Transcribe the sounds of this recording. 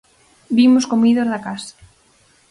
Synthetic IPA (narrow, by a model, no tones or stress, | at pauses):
bimoskomiðozðakasḁ